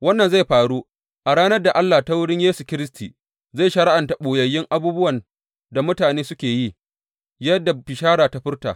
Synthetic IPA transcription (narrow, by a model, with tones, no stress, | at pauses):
wɐ˦nːɐ˨nza˦jɸaː˨ɽuː˦ | ʔa˨ɽaː˦nɐ˦rda˨ʔa˦lːa˨ta˦wʊ˦ɽɪ˦ɲjeː˦su˨kʲɪ˦ɾɪ˦s̬ti˨ | za˦˨jʃɐ˨ɽa˦ʔa˨nta˨ɓoː˨jɐ˨jːɪ˦ŋʔa˨buː˦bʊ˦wɐ˨n | da˨mʊ˦taː˨neː˦sʊ˦kʲeː˨ji˦ | jɐ˦dːa˨bɪ˨ʃaː˦ɽaː˨ta˦ɸɪ˦rta̰ː˨